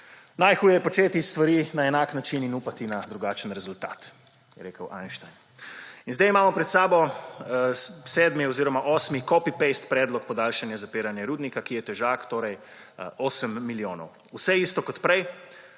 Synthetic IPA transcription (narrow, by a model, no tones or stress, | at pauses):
najxuːjɛjɛpɔt͡ʃeːt̪ist̪ʋaɾinaɛnaːknat͡ʃininupat̪inad̪ɾuɡaːt͡ʃənɾɛzult̪a̰ːt̪ | jɛɾeːkəwʔa̰jnʃt̪ajn | inzd̪ɛjimaːmɔpɾɛt̪saːbɔ | sɛːd̪miɔziːɾɔmaʔɔːsmikɔpipest̪pɾɛːd̪lɔkpɔd̪aːlʃanjazapeːɾanjɛɾuːd̪nikakijɛt̪ɛʒaːkt̪oːɾɛj | oːsəmːiljoːnɔ̰w | usɛiːst̪ɔkɔt̪pɾɛj